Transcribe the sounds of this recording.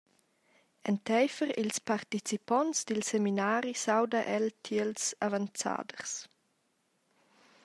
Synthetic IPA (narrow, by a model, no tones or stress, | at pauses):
ɛnt̪ɛjfəɾḭlspaɾt̪it͡sipɔnsd̪ilseminaːɾisawdaʔɛltʰiəlsa̰vant͡sa̰ːdərs